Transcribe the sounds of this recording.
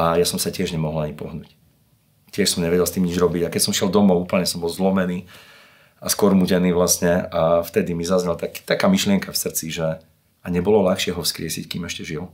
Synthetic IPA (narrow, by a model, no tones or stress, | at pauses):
ajasɔmsacɪɛʒɲɛmɔɦlˠaɲipɔɦnṵːc | cɪɛʃsɔmɲɛʋɛɟɛlˠst̪iːmɲid͡ʒɾɔbiɟakɛcsɔmʃɪɛld̪ɔmɔʊuːpl̩ɲɛsɔmbɔlzlɔmɛniː | askɔɾmuɟɛniːʋlastɲɛaft̪ɛd̪imizazɲɛlt̪akːt̪akaːmiʃlɪɛŋkafsr̩t͡siʒɛ | aɲɛbɔlɔlaxʃɪɛɦɔfskɾɪɛsḭckiːmɛʃcɛʒil